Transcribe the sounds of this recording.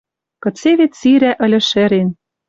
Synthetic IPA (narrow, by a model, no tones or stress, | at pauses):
kɤ̆t͡seβet̪siɾæʔə̆lʲɘ̆ʃĕɾen